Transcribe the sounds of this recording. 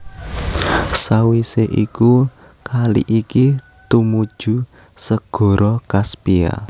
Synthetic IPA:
sawiseʔiku | kalḭʔiki | t̪umud̥ʒ̥ṳ | səɡ̥ɔ̤ɾʔɔkaspia̰

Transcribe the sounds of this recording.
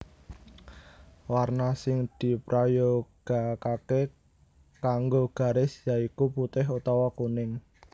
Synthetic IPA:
warnasɪŋd̪̥i̤pɾʔajoɡ̥a̤kake | kaŋɡoɡ̥a̤ɾɪsjaikuput̪ɪɦut̪ɔwɔkunɪŋ

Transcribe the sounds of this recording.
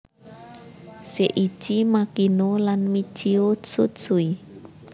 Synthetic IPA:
seʔi̥ʒ̥imakinolanmi̥t͡ʃiosusui

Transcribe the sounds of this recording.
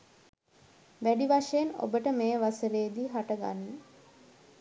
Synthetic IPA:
ʋæɖiʋaʂəjeno̰bəʈəmeːʋasəɾeːd̪iːɦaʈəɡa̰nːə

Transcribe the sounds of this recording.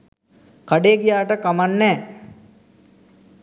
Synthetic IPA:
kaɖeːkijaːʈəkamanːɛː

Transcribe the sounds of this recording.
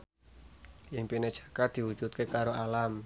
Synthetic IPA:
jɪŋpinɛd̥ʒ̥ḁkad̪̥i̤wud̥ʒ̥ut̪̚kekaɾoalam

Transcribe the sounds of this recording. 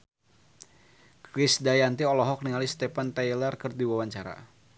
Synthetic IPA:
kɾisdajant̪iɔlɔɦɔk̚niŋalist̪ɛpant̪ajlərkɨrdiwawaɲt͡ʃaɾa̰

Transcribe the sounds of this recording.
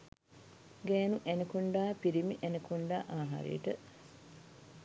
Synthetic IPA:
ɡɛːnuʔænekuɳɖaːpiɾimiʔænekuɳɖaːʔaːɦa̰ɾḛjəʈə

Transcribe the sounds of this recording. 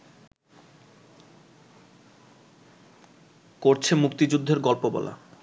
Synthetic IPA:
koɾt͡ɕʰemukt̪id͡ʑud̪ʱːeɾɡɔlpobɔ̰la̰

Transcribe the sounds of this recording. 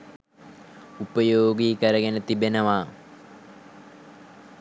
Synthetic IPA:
upəjoːɡiːkəɾəɡenət̪ibenəʋaː

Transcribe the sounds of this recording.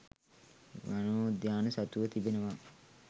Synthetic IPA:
ʋanoːd̪jaːnəsat̪uʋət̪ibenəʋa

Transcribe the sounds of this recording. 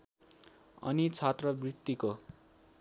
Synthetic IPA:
ʌ̰nit͡sʰat̪rʌbrit̪ːiko

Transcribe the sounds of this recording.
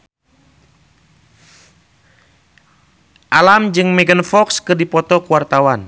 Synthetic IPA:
ʔalamd͡ʒɨŋmɛɡənfɔkskɨrdipɔt̪ɔkuwart̪awan

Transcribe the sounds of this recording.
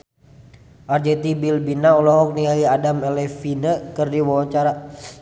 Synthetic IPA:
ʔard͡ʒɛt̪ibilbinaulɔɦɔk̚niaiadamɛlɛfinəkɨrdiwawat͡ʃaɾa

